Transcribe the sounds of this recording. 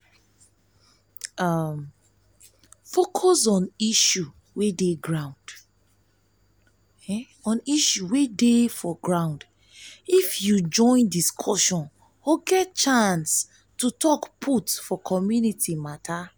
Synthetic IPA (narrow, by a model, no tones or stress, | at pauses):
am | fokʰɔsɔ̃niʃu | wedeɡɹãʊ̃nd̥ | ɔ̃niʃuwedefɔɡɹãʊ̃nd | ifjud͡ʒɔ̃ɪ̃ndiskʰɔʃɔ̃n | ɔɡɛt̚t͡ʃãns | tutʰɔkpʰutfɔkʰɔmjunitʰimatʰa